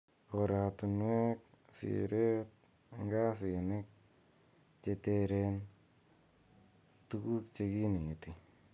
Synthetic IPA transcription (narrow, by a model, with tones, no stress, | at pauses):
oɾa˨t̪u˨nwɛ˦k̚sḭɾe˦t̪̚ | ŋɡa˦s̬ɪ˨nɪ˦k̚ | t͡ʃe˧te˦ɾen | tuku˦kt͡ʃe˧ki˦ne˨t̪i˨